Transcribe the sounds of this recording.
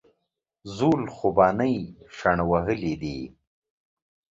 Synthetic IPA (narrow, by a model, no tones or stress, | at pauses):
zulxubɑːnəjʂaɳawaɦəlid̪i